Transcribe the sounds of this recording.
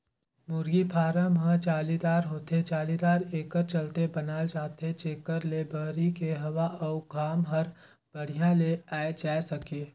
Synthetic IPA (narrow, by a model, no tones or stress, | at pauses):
mʊɾɡipʰaːɾəmɦə̃t͡ʃaːlid̪aːɾɦoːt̪et͡ʃaːlid̪aːɾeːkəɾt͡ʃɐlt̪ebɐnaːed͡ʒaːt̪et͡ʃeːkəɾlebəɦɾikeɦɐʋaʔɔːɡʱaːmɦɐɾ | b̥ɐɽ̤ijãleaːed͡ʒaːesɐkeː